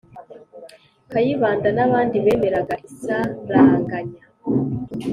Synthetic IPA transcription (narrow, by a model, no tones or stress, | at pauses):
kajiβaːndanaβaːndiβe̞ːme̞ɾaɡaʔisaɾaŋɡaɲa